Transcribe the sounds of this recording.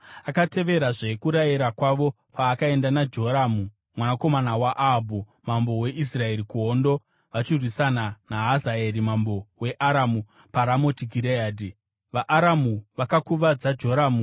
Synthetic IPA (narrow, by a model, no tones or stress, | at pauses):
akate̞ʋe̞ɾaʐe̞kuɾajiɾakwaʋo̞ | pʰaːkae̞ndanad͡ʒo̞ɾamu | mwanako̞manawaʔabʱu | mambo̞we̞ʔis̬rae̞ɾikuɦondo̞ | ʋat͡ʃirwisananaɦazae̞ɾimambo̞we̞ʔaɾamu | paɾamo̞tiɡʱiɾeaːdi | ʋaʔːɾamuʋakakuʋad͡zad͡ʒo̞ɾaːmu